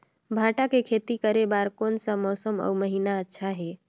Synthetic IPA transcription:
bʱãʈakekʰet̪ikəɾebaɾkonsə̃mɔsəmɔ̰uməɦinaətːʃʰaɦe

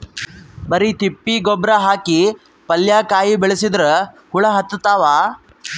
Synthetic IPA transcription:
bɐɾit̪ipːiɡɔbɾaɦaːki | pɐljakaːjibeɭesid̪ɾɯ | huɭɐɦɐt̪ːɐt̪aːʋaː

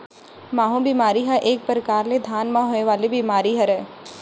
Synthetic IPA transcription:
maːɦõbimaːɾiɦɛʔeːk̚pəɾəkaːɾled̪ʱaːnmãɦoːneʋaːlebimaːɾiɦɛɾɛː

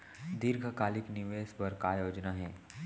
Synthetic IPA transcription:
d̪iɾɡʱakaːlɪknɪʋeːsbɐɾkajoːd͡ʒnaɦɛ̃ː

